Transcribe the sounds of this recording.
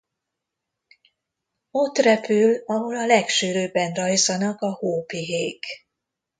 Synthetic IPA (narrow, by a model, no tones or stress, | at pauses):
o̞t̪rɛpylɒɦo̞lɒlɛkʃyɾøːbɛnrɒjzɒnɒkɒhoːpiɦeːk